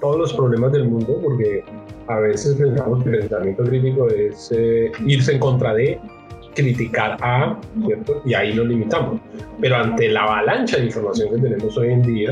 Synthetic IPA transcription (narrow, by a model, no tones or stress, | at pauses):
t̪o̞ðozlo̞spɾoβle̞mazd̪e̞lmũnd̪o̞po̞ɾke̞aβe̞se̞spe̞nsamo̞s̬ke̞lpe̞nsamje̞nt̪okɾit̪̬ik̬o̞e̞seiɾs̬e̞ːŋko̞nt̪ɾaðe̞ | kɾit̪ikaɾasje̞ɾt̪o̞iaino̞limit̪amo̞spe̞ɾo̞ant̪e̞laβalant͡ʃaðeiɱfo̞ɾmasjo̞ŋke̞t̪̬e̞ne̞mo̞so̞je̞nd̪ia